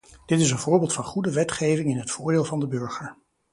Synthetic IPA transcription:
d̥ɪtɪs̬ənvʊːɹbɪːlˠtfɑnχudəʋɛtχejvɪŋɪnɦətfʊːɹdeːlˠvɑndəbøɹχəɹ

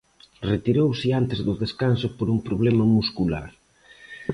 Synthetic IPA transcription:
ret̪iɾowsɪant̪ezðʊðeskansʊpoɾumpɾoβ̞lɛmɐmuskula̰ɾ

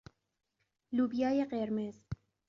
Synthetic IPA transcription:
lubijɑːjeqeɾmez

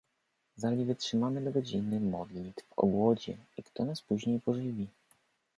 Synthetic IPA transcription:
zalʲivɘtʂɘmamɘd̪ɔɡɔd͡ʑinɘmɔd̪lʲit̪vɔ̰ɡwɔd͡ʑɛ̰ikt̪ɔnaspuʑɲejpɔʐɘvʲi

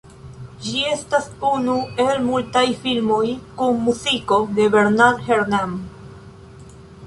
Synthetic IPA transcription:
d͡ʒie̞stasunue̞lmultajfilmo̞jkunːuziko̞de̞be̞ɾnalheɾnam

